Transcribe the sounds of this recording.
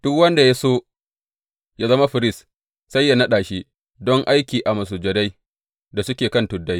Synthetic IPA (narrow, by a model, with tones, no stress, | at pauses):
d̥ʊ˦kwɐ˦nda˨ja˦soː˦ | ja˦zɐ˦ma˦ɸɪ˨ɾɪ˦s | sɐ˦jːa˨nɐ˦ɗaː˨ʃiː˦ | dɔ˦ŋʔa˦jkʲiː˨ʔa˨mɐ˨s̬uː˨d͡ʒɐ˨da˦j | da˨sʊ˦kʲeː˨kɐ˦ntʊ˨dːa˦j